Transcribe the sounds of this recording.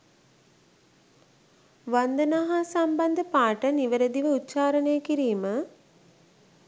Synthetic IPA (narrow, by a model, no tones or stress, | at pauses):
ʋand̪ənaɦaːsamband̪əpaːʈəniʋəɾəd̪iʋəut̪ːt͡ʃaːɾənejəkiɾiːmə